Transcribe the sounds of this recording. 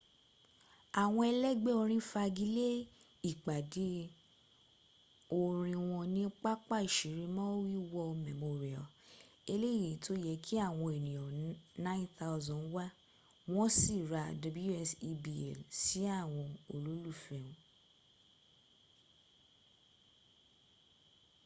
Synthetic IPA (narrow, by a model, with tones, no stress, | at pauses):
a˨w̃ɔ̃˧ɛ˧lɛ˦ɡ͡be˦o˧ɾ̃ĩ˦fa˧ɡi˦le˦ | i˨k͡pa˨de˨˦ | o˧ɾ̃ĩ˧w̃ɔ̃˧nĩ˦k͡pa˦k͡pa˦˨i˨ʃi˨˦ɾĩ˧˦mã˦o˦wi˦wɔ˧mẽ˨mo˧ɾi˨a˨ | e˧le˦ji˨˦to˦jɛ˧kʰi˦a˦˨w̃ɔ̃˧e˨nĩ˨jɔ̃˨nã˦ĩ˦nθa˧o˧zɔ̃˨n˦wa˦ | w̃ɔ̃˦si˦˨ɾa˧da˨blju˦ɛ˧si˧bi˧ɛ̰˨lsi˨˦a˦˨w̃ɔ̃˧o˨lu˨˦lu˦˨fɛ˧ũ˨˧